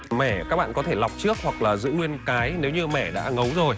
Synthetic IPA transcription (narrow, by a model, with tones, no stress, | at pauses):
mɛ˧˩ka˦˥k̚ɓa̰ː˧˨kɔ˨˦t̪ʰe˧˩la˨˩wk͡p̚t͡ɕɨ˦˥ək̚hwa˨˩k̚laː˨˩zɨ̰˧˥ŋwi˧ənkaː˨˦jne˨˦wɲɨ˧mɛ˧˩ɗa̰ː˧˥ŋə˨˦wzo˨˩j